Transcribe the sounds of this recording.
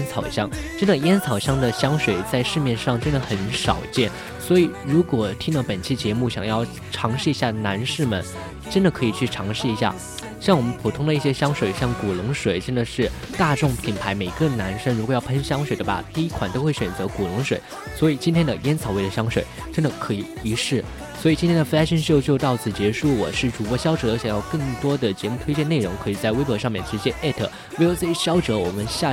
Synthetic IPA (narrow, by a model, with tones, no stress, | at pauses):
nt͡sʰɑ˨˩ʊɕjɑ˥ŋʈ͡ʂə˥nd̪ə˨jɛ˥nt͡sʰɑ˨˩ʊɕjɑ˥ŋd̪ə˨ɕjɑ˥ŋʂwe˨˩ɪt͡sa˥˧ɪʂɻ̩˥˧mjɛ˥˧nʂɑ˥˩ŋʈ͡ʂə˥nd̪ə˨xə˧˥nʂɑ˨˩ʊt͡ɕjɛ˥˩n | swɔ˧˥i˨˩ɻu˧˥kwɔ˨˩t̪ʰi˥ŋd̪ə˥˩pə˨˩nt͡ɕʰi˥˩t͡ɕjɛ˧˥mu˥˩ɕjɑ˨˩ŋjɑ˥˩ʊ | ʈ͡ʂʰɑ˧˥ŋʂɻ̩˥˩i˧˥ɕja˥˩na˧˥nʂɻ̩˥˩mə˨˩n | ʈ͡ʂə˥nd̪ə˨kʰɤ˧˥i˨˩t͡ɕʰy˥˩ʈ͡ʂʰɑ˧˥ŋʂɻ̩˥˩i˧˥ɕ̬ja̰˥˩ | ɕjɑ˥˩ŋwɔ˨˩mə˦npʰu˨˩t̪ʰʊ˥ŋd̪ə˧i˥˩ɕjɛ˥ɕjɑ˥ŋʂwe˨˩ɪɕjɑ˥˩ŋku˨˩lʊ˧˥ŋʂwe˨˩ɪʈ͡ʂə˥nd̪ə˨ʂɻ̩˥˧t̪a˥˧ʈ͡ʂʊ˥˩ŋpʰi˨˩npʰa˧˥ɪme˨˩ɪɡə˥˧na˧˥nʂə˥ŋɻu˧˥kwjɑ˥˩ʊpʰə˥nɕjɑ˥ŋʂwe˨˩ɪd̪ə˦ba̰˧t̪i˥i˥kʰwa̰˨˩nt̪o˥ʊxwe˥˩ɪɕɥɛ˨˩nt͡sɤ˧˥ku˨˩lʊ˧˥ŋʂwe˨˩˦ɪ | swɔ˧˥i˨˩t͡ɕi˥nt̪ʰjɛ˥nd̪ə˨jɛ˥nt͡sʰɑ˨˩ʊwe˥˩ɪlə˩ɕjɑ˥ŋʂwe˨˩ɪʈ͡ʂə˥nd̪ə˨kʰɤ˧˥i˨˩i˧˥ʂɻ̩˥˩ | swɔ˧˥i˨˩t͡ɕi˥nt̪ʰjɛ˥n˥də˨˧˥ɕi˥˧nɕjo˥˧ʊt͡ɕjo˧ʊt̪ɑ˥˩ʊt͡sɹ̩˨˩t͡ɕjɛ˧˥ʂu˥˩wɔ̰˨˩ʂɻ̩˥˩ʈ͡ʂu˨˩pwɔ˥˩ɕjɑ˥ʊʈ͡ʂɤ˨˩˦ə˧˥ɕjɑ˨˩ŋjɑ˥˧ʊkɤ˥˩ŋt̪wɔ˥d̪ə˨t͡ɕjɛ˧˥mu˥˩t̪ʰwe˥ɪt͡ɕjɛ˥˧ne˥˩ɪɻʊ˧˥ŋkʰɤ˧˥i˨˩t͡sa˥˩ɪwe˥ɪpɤ˧˥ʂɑ˥˧ŋmjɛ˥˩nʂɻ̩˧˥t͡ɕjɛ˥˧ʔɛ˥˩t̪ʰə˨˩ | we˧˥ɪjo˨˩ʊt͡sɤ˥˧˩i˥˩ɕjɑ˥ʊʈ͡ʂɤ˧˥wɔ̰˨˩mə˦nɕja˥˧˩